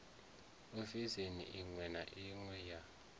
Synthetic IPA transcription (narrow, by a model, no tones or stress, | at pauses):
ufizinḭʔiŋwɛnaʔiŋwɛja